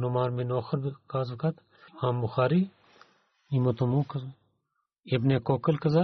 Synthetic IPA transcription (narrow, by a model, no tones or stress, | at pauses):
nomaːɾminoːxɐɾbkaːzɐkɐt̪ | aːmbʊxaːɾi | imɐt̪omũːkɐz | ebnekoːkəlkɐza